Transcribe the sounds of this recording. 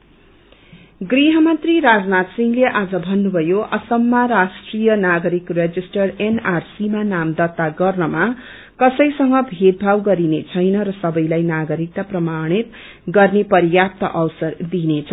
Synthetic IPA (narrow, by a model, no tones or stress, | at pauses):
ɡriɦʌmʌnt̪riɾad͡znat̪siŋleʔad͡zʌbʱʌnːubʱʌjoʔʌsʌmːaɾasʈrijʌnaɡʌɾikred͡zisʈʌrenarsimanamd̪ʌt̪ːaɡʌrnʌma | kʌsʌjsʌŋɡʌbʱed̪̚bʱawɡʌɾinet͡sʰʌjnʌɾʌsʌbʌjlajnaɡʌɾik̚t̪aprʌmaɽ̃it̪ | ɡʌrnepʌɾjap̚t̪ʌʔʌwsʌrd̪inet͡sʰʌ